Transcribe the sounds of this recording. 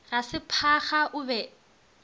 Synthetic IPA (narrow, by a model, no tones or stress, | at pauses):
rasɪpʰaχaʔʊbɛ